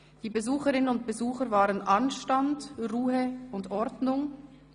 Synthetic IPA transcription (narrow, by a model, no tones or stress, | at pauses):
d̥iːbəzuːxəʁɪnənʊnt̚b̥ezuːxəvaːʁənʔanʃtandʁuːəʊndʔɔʁdnʊŋ